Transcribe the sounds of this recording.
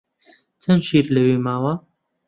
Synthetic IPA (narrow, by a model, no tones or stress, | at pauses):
t͡sʰɐnʃiːɾlɐwiːmaːwa